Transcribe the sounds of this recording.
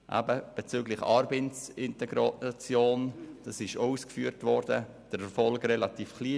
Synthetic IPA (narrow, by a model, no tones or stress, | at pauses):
ʔæ̰bəb̥et͡syːɡlɪχɑːɾbensɪntɛɡɾot͡sjoːnd̥ɑsɪʃouːskfyːɾtvɔɾd̥ə | d̥əɾɛɾfɔlɡrɛlɑtiːfkliː